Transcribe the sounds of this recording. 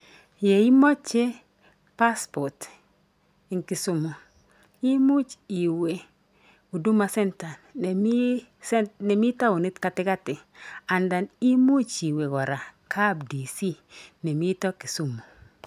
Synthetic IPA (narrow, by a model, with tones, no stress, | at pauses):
je˨i˦mɔ˦t͡ʃːe˦ | pa˦spɔ˨t | i˨ŋki˨su˨mu˨ | i˦mu˦t͡ʃi˨we˨ | u˨du˦ma˦sɛ˦nta˨˦ | ne˨mi˦ta˦u˨ni˦tka˨tɪ˦ka˦tɪ˨a˨nda˨ni˦mu˦t͡ʃi˨we˨ɡɔ˨ɾa˨kʰa˦bdi˨si˦ne˨mi˦tɔ˦ki˨su˦mo˨